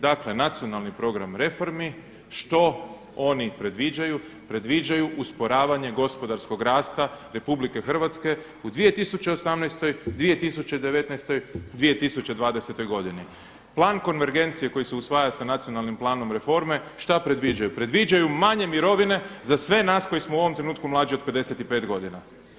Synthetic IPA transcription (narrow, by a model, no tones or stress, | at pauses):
d̪akle̞nat̪sio̞nalˠnipɾo̞ɡɾamɾe̞fo̞ɾmi | ʃt̪o̞ | o̞nipɾe̞d̪ʋid͡ʒaju | pɾe̞d̪ʋid͡ʒajuʔuspo̞ɾaːʋaɲe̞ɡo̞spo̞d̪aɾsko̞ɡɾaːst̪aɾe̞publike̞xr̩ʋat̪ske̞ | ud̪ʋije̞t̪isut͡ʃeo̞samnɛjst̪o̞jd̪ʋije̞t̪isut͡ʃe̞d̪e̞ʋe̞t̪nɛjst̪o̞jd̪ʋije̞t̪isut͡ɕe̞d̪ʋaːd̪ese̞t̪o̞jɡo̞d̪ini | plˠaːnko̞nʋe̞ɾɡe̞nt̪sije̞ko̞jiseusʋaːjasanat̪sio̞nalˠnimplˠaːno̞mɾe̞fo̞ɾme̞ʃt̪apɾe̞d̪ʋid͡ʒajupɾe̞d̪ʋid͡ʒajumaɲe̞miɾo̞ʋine̞zasʋe̞naːsko̞jismouo̞ʋo̞mt̪ɾe̞nuːt̪kumlˠaːd͡ʒio̞d̪̚pe̞d̪e̞se̞t̪ipe̞ːt̪ɡo̞d̪ina